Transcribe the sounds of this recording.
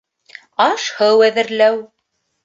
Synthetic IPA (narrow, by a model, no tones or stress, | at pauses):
ɑʃhɤwæðɘ̆ɾlæw